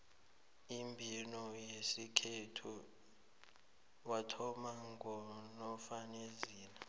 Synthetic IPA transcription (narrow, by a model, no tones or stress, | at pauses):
imbʱinɔjesikʰetʰu | watʰɔmaŋɡɔnɔfaneziːna